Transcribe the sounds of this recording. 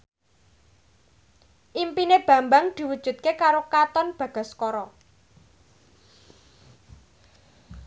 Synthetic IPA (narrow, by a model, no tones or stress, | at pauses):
ʔimpineb̥ä̤mbaŋd̪̥i̤wud̥ʒ̥ṳt̪̚kekaɾokat̪ɔnb̥ä̤ɡ̥a̤skɔɾɔ